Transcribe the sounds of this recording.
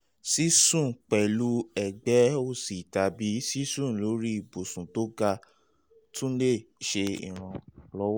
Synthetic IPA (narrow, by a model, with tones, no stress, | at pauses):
si˦sũ˦˨k͡pɛ˨lu˦ɛ˨ɡ͡bɛ˨˦o˦˨si˨ta˧bi˨˦si˦sũ˦˨lo˨˦ɾi˦i˦˨bo˨sũ˨to˦ɡa˧ | tũ˦le˦˨ʃe˧ḭ˨ɾ̃ã˧lɔ˦wɔ˦